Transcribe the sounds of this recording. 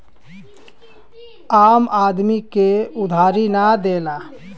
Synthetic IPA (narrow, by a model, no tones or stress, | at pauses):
aːmaːd̪mikeʊd̪ʱaːɾinad̪eːlaː